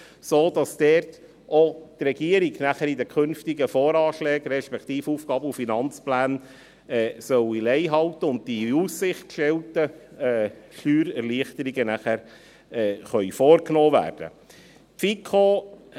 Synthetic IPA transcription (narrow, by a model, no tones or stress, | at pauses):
soːd̥ɑsd̥ɛɾt | ʔotrɛɡiəɾiɡnæχəɾidəkʰʏnftiɡəfoːɾɑːʃlɛːɡɾɛʃpɛkt̪iːfuːfɡ̥ɑːbəufinɑnt͡splæːn | ɛːsœwilɛɪɦɑlt̪əʊnt̚diussɪχtkʃtɛltəɛːʃyːɾɛɾliəχt̪əɾiɡənæχæɾ | ɛːχœʏfoːɾknoːvæ̰ːrd̥ə̰ | fikʰo